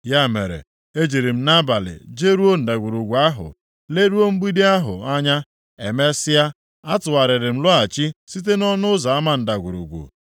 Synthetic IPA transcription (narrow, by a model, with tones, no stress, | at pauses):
ja˦˨me˨ɾḛ˨ | e˦d͡ʒi˨ɾi˨m̩˦na˦ba˨lɪ̰˨d͡ʒe˦ɾu˦o˦n̩˨da˨ɡʷu˨ɾu˨ɡʷu˨a˦ɦʊ̰˨ | le˦ɾu˦o˦ŋ͡m̩˦ɡ͡bi˦di˦a˦ɦʊ̰˨a˦ɲa˦ | e˨me˦sɪ˦a˦ | a˦tʊ˨wa˨ɾɪ˨ɾɪ˨m̩˦lʊ˦a˨t͡ʃi˦si˦t̬e˦nɔ˦nʊ˦ʊ˦za˨a˦ma˦n̩˨da˨ɡʷu˨ɾṵ˨ɡʷṵ˨